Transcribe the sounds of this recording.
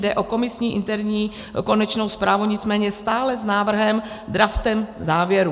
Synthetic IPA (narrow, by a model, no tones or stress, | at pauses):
dɛʔoko̞mɪsɲiːʔɪ̰nt̪ɛɾɲiː | ko̞nɛt͡ʃno̞wspɾaːvuɲɪt͡smɛːɲɛst̪aːlɛznaːvr̩ɦɛm | d̪ɾaft̪ɛmzaːvjɛɾu